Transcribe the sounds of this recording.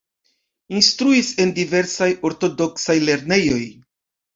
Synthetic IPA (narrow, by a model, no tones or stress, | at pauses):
instɾuise̞ndive̞ɾsajo̞ɾto̞do̞ksajle̞ɾne̞jo̞j